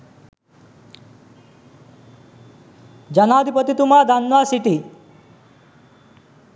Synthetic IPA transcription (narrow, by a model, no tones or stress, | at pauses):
d͡ʒɐnaːd̪ʱipət̪it̪umaːd̪anʋaːsiʈi